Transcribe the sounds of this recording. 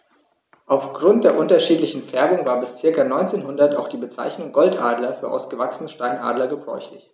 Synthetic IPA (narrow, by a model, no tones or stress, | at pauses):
ʔaʊfɡ̥ʁʊnt̚d̥eːɐʔʊntɐʃiːtlɪçn̩fɛɐbʊŋvaːɐbɪst͡sɪɐkɐnɔʏnt͡seːnɦʊndɐtaʊxd̥iːbət͡sa̰ɪçnʊŋɡɔltʔaːdlɐfyːɐʔa̰ʊsɡ̥əvaksənəʃtaɪnʔa̰ːdlɐɡəbʁɔ̰ʏçlɪç